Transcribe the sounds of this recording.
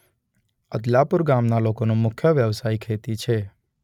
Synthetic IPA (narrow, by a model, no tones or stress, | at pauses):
əd̪lapʊɾɡamnalokonũmʊkʰjəʋjəʋsaikʰet̪it͡ʃʰe